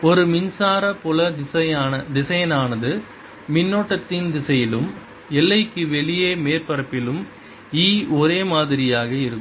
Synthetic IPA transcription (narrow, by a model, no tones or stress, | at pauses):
ɔɾɯmɪnsaːɾɐpʊlɐɪsɐːɐd̪ɪsɐjɐnaːnɐðɯ | mɪnːoːʈːɐt̪ːɪnd̪ɪsɐjɪlɯm | ɛlːɐɪkːɯʋɛɭɪjeːmeːrpɐɾɐpːɪlɯm | iːɔɾeːmaːðɪɾɪjaːɣɐɪɾɯkːɯ